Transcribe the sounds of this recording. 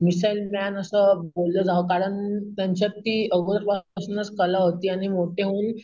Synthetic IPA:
misailmanəsəbolləd͡zaɦokaɾəɳt̪jaɲt͡ɕat̪ːiːəɡoɾɾpasnət͡skəlaɦot̪iːaɽ̃imoʈeɦuːn

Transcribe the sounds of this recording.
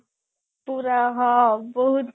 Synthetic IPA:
puɾaɦãbɔɦut̪

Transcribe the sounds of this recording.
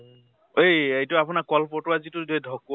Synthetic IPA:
ejejtʊapʊnakɔlpɔtʊazitʊdedʱɔkː

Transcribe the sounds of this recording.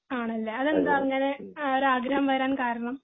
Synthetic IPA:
aːɳɐlːeɐðe̞nd̪aːɐŋːɐne̞oɾuaːɡɾɐɦɐmʋɐɾaːnkaːɾɐɳɐm

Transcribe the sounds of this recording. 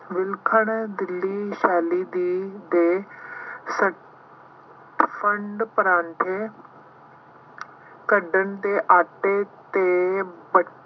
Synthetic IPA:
ʋɪlkʰəɳd̪ɪlːiːʃɛːliːd̪iːd̪eː | sə | ʈpʰəɳɖpəɾãːɳʈʰeː | kəɖəɳt̪eːʔaːʈeːt̪eːbə

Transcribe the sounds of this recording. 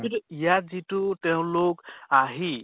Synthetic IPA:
iɾjad͡ziʈut̪eũlokaɦi

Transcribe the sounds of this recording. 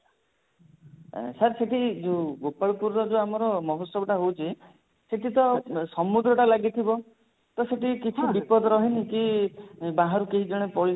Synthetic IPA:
saɾseʈid͡ʒoɡopaɭupuɾːɔd͡ʒoamɔɾɔmɔɦot̪sɔbʱɔʈaɦowt͡ʃʰi | seʈit̪ɔsɔmud̪ɾɔʈalaɡit̪ʰibɔ | t̪ɔseʈikit͡ʃʰibipɔd̪ɔɾɔɦiniki | bãɦaɾukeɦid͡ʒɔɽ̃epɔɭi

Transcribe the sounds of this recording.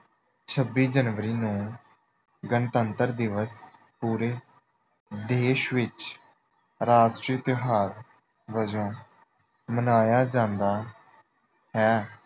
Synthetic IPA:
t͡ʃʰəbːiːd͡ʒənʋəɾiːnũː | ɡənt̪ənt̪əɾd̪ɪʋəspuːɾeː | d̪eːʃʋɪt͡ʃ | ɾaːd͡ʒʈɪt̪ɦaːɾ | ʋəd͡ʒõː | mənaːjaːd͡ʒãːnd̪aː | hɛː

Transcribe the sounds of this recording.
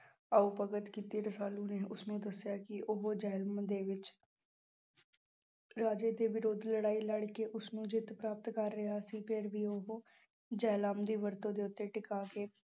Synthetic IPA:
aːuːpəɡət̪kiːt̪iːɾəsaːlũːneːʔʊsnũːd̪əsjaːkɪʔoɦoːd͡ʒɛːlmd̪eːʋɪt͡ʃ | ɾaːd͡ʒeːd̪eːʋɪɾoːd̪ləɽaːiːləɽkeːʔʊsnũːd͡ʒɪt̪pɾaːp̚t̪kəɾːɪɦaːsiːpʰɪɾʋiːoɦoː | d͡ʒɛːlaːmd̪iːʋəɾt̪õːd̪eːʊt̪ːeːʈɪkaːkeː

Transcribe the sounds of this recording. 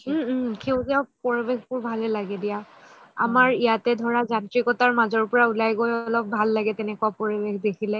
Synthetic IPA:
kʰeʊzapɔɹibexbʊɹbʱalɛlaɡɛdija | a̰maɹijatɛdʱɔɹazatɹikɔtaɹmazɔɹpɔɹaulajɡojɔlɔp̚bʱalːaɡɛtɛnɛkuwapɔɹibexdekʰilɛ

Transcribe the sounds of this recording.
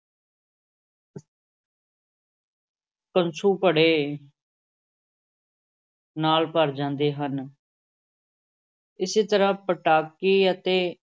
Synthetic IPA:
pənt͡ʃʰũːpəɽeː | naːlpəɾd͡ʒãːnd̪eːɦən | ɪseːt̪əɾãːpəʈaːkiːət̪eː

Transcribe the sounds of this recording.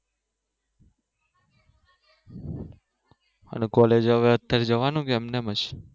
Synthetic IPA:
ə̰nekɔled͡ʒəʋeət̪ːjaɾed͡ʒəʋanũkeɛmnemət͡ʃ

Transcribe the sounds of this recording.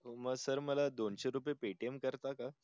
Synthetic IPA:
ɦoməɡsəɾməlad̪onɕaɾup̬epeʈemkəɾt̪aka

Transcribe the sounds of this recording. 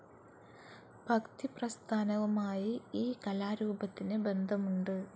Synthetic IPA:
bʱɐkt̪iprɐst̪ʰaːnɐʋɐmaːjiiːkɐlaːɾuːbɐt̪ːinɨbe̞nd̪ʱɐmuɳɖɨ

